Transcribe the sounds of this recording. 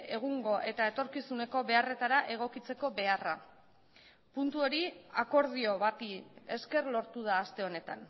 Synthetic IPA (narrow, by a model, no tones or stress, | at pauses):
e̞ɣ̞uŋɡo̞ʔe̞t̪ae̞t̪o̞ɾkisune̞ko̞βe̞are̞t̪aɾaʔe̞ɣ̞o̞kit͡se̞ko̞βe̞ara | punt̪uo̞ɾiako̞ɾð̞io̞βat̪ie̞ske̞rlo̞ɾt̪uð̞aːst̪e̞o̞ne̞t̪a̰n